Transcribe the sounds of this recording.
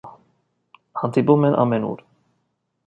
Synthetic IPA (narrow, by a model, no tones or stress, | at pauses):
hɑnd̪ipumɛnʔɑ̰mɛnṵɾ